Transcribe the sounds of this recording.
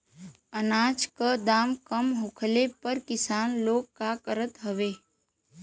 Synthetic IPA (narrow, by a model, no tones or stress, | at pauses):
ənaːt͡ʃkəd̪aːmkəmɦʊkʰlepəɾkɪsaːnloːkːakəɾət̪ɦəʋeː